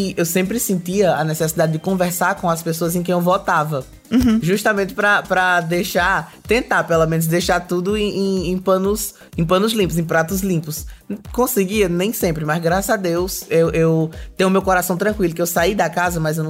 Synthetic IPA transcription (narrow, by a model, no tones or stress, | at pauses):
ɪewsẽpɾɪsẽnt̪iɐɐnɛsɛsid̪ad̪ɪd̪ɪkõvɛɾsaɾkõɐspesoɐzẽkẽj̃ewvɔt̪avɐ | ʒuʃt̪ɐmẽnt̪ɪ̥pɾɐpɾɐd̪ejʃaɾ | t̪ẽnt̪aɾpelomẽnʊzd̪ejʃaɾt̪ud̪ʊẽẽẽpɐ̃nʊs | ẽpɐ̃nʊzlĩpʊs̬ẽj̃pɾat̪ʊzlĩpʊskõsɪɡiɐnẽj̃sẽmpɾɪmɐzɡɾasɐad̪ewsewʔewt̪ẽj̃ʊmewkoɾasɐ̃w̃t̪ɾɐ̃kwilʊkɪewsaid̪ɐkazɐmɐjzewnɐ̃